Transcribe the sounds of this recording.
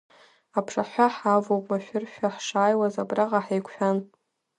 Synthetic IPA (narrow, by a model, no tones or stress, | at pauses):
apʰʂaħʷaħavowpʼmaʃᶣʊrʃʷᶣaħʂaːjwazabraʁaħejkʷħᶣan